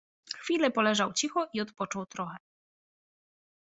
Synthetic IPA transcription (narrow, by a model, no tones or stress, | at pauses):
xfʲilɛpɔlɛʐawt͡ɕixɔʔiɔt̪pɔt͡ʂɔwt̪ɾɔxɛ